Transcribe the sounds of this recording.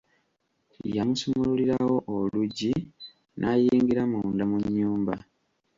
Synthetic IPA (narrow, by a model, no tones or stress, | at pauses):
jamusumululiɾawo̞ʔoluɟi | nʔajiːŋɡiɾamundamuɲːuːmba